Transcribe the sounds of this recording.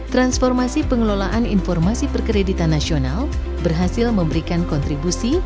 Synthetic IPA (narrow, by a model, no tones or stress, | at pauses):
t̪ɾansfɔrmasipəŋəlolaʔaninfɔrmasipərkəɾedit̪anːasional | bərɦasɪlməmbəɾikankɔnt̪ɾibusi